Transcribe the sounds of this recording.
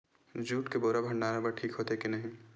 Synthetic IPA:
d͡ʒuːʈkeboːɾabʱɐ̃ɳɖaːɾabəʈʰiːkɦoːt̪ekinɐɦĩ

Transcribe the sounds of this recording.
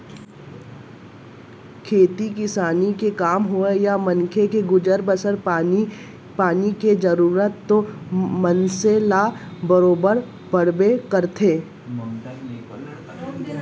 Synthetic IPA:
kʰeːt̪ikɪsaːnikekaːmɦoejamɐ̃nkʰekeɡʊd͡ʒəɾbəsəɾ | paːniked͡ʒəɾuːɾət̪ːomənselabəɾoːbəɾ | bəɽbekəɾt̪ʰeː

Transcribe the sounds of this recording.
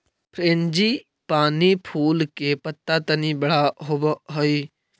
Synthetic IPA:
pʰɾeːnd͡ʒiː | paːnipʰuːlkepət̪ːat̪ənibɐɽaɦobɦoiː

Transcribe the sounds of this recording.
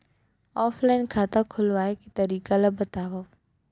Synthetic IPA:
ɔːflaːɪnkʰaːt̪akʰʊlʋaːekit̪ɐɾiːkalabɐt̪aːʋa

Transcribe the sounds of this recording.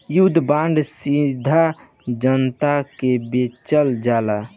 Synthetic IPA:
jud̪ʱbãɳɖsid̪ʱa | d͡ʒənt̪akebet͡ʃəld͡ʒaːla

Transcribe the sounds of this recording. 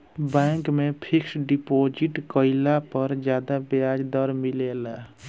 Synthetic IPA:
bãŋkmepʰiksɖipod͡ʒiʈkəɪlapəɾd͡ʒjad̪abad͡ʒd̪əɾmilela

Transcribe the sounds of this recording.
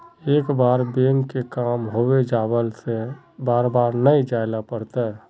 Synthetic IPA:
eːkbaːɾbeːŋɡkekaːmɦoːwed͡ʒaːwəlse | baːɾbaːɾnəid͡ʒaːɪlapəɽt̪aɦɛ

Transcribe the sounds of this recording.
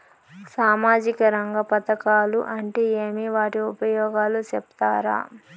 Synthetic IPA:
saːmaːd͡ʒikɐɾɐŋɡɐpɐt̪ɐkaːluʔɐɳʈe̞ːeːmiʋaːʈiupɐjɔːɡaːlut͡ʃɛpt̪aːɾa̰ː

